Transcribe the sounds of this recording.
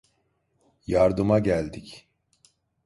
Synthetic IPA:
jaɾd̪ɯmaɟælʲd̪ic

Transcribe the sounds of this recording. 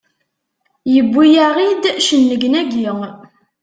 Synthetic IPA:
jəbːijæʁid̪ʃənːəɡnæɡi

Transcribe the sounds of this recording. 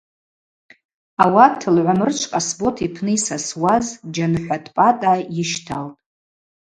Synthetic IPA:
awatʰɨlʕʷamɨrt͡ʃʷʰʼqʼasbo̞tʰipʰnɨisaswazd͡ʒanħʷᶣatʼpʼatʼajɪʃtʰaltʼ

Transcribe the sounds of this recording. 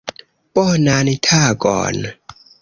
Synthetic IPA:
pʼɔnanitʰaɡɔ̰ːn

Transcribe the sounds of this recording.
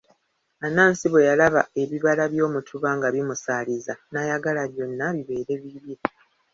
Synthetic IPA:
anaːnsiβwe̞jalaβa̰e̞βiβalaβjo̞ːmutʰuβaŋɡaβimusaːlizanajaɡalaβjo̞nːaβiβe̞ːɾe̞βiβiɾa

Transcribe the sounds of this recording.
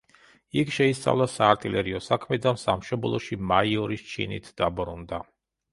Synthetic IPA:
ikʰʃɛist̪sʼa̰vlˠasaːɾt̪ʼilʔɛɾiɔsakʰmɛd̪ansamʃɔblˠɔʃimaiɔɾist͡ʃʰḭnḭt̪ʰd̪̥abɾund̪a

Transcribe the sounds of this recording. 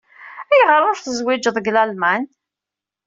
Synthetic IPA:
æjʁəɾˤʊɾθəzwid͡ʒəðˤəɡlælmæn

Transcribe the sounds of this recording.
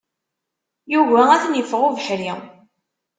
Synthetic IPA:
juvææθnjəfʁuvəħɾi

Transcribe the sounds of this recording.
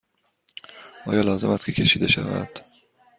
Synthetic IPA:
ʔɒːjɒːlɒːze̞mæst̪kʰcʰe̞cʰe̞ʃiːd̪e̞ʃæ̰væ̰d̪̥

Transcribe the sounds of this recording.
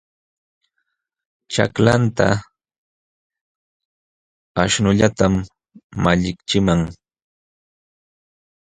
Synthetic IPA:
t͡ʃa̰klant̪a̰ | aʃnʊʎat̪amː | aʎɪkt͡ʃɪmaŋ

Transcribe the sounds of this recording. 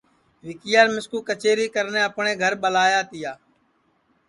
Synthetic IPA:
ʋɪkɪjaːɾmɪskuːkət͡ʃeːɾiːkəɾnẽːəpɳẽːɡʱəɾɓəlaːjaːt̪ɪjaː

